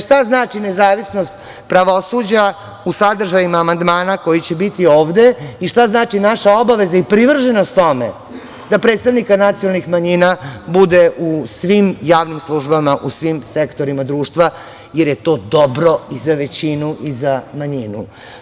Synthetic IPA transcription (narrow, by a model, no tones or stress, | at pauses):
ʃt̪aznaːt͡ʂinezaːʋisno̞st̪ | pɾaʋo̞sud͡ʑa | usad̪r̩ʒajimaːmand̪maːnako̞jit͡ɕe̞bit̪io̞ːʋd̪e̞iʃt̪aznaːt͡ʂinaʃao̞baʋe̞zaipɾiʋr̩ʒenost̪ːo̞mḛ | d̪apɾet̪st̪aʋnikanat̪sijonalnixmaɲinabud̪eʔusʋimjaːʋnimslˠuʒbamaʔusʋimsekt̪o̞ɾimad̪ɾuːʂt̪ʋa | jeɾje̞t̪o̞ːd̪o̞bɾo̞izaʋe̞t͡ɕinuʔizamaɲinṵ